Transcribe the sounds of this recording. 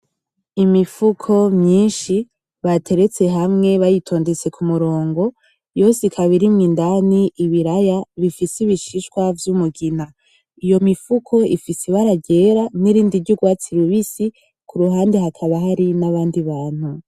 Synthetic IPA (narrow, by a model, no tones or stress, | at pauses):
imifukʰo̞mɲiːnʃi | βatʰe̞ɾe̞t͡se̞ɦamŋe̞βajitʰo̞ːnde̞t͡se̞kʰumuɾo̞ːŋɡo̞ | jo̞sikʰaβiɾimŋiːndaniʔːβiɾajaβifisiβiʃiʃkwavjumuɡina | ijo̞mifukʰo̞ʔifisiβaɾaɟe̞ɾaniɾiːndiɾɟuɡwaːt͡siɾuβisi | kʰuɾuɦaːnde̞hakʰaβaɦaɾinaβaːndiβaːn̥hu